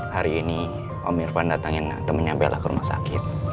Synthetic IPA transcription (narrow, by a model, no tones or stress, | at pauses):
haɾiːni | ʔo̰mirfandat̪aŋɪnt̪əməɲampalʔa̰hkɾumasa̰kɪt̪̚